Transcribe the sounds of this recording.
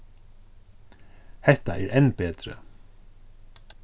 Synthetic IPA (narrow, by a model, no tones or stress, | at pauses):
hɛht̪a̰ʔɛɾʔɛnːpeːt̪ɾɪ̰